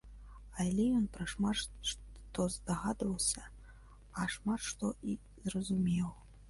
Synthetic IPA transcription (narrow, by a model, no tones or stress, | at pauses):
alʲɛjɔnpɾɐʂmat̪ʂt̪ɔzd̪aɣad̪vɐwsʲɐ | aʂmat̪ʂt̪ɔi | zrɐzumʲɛw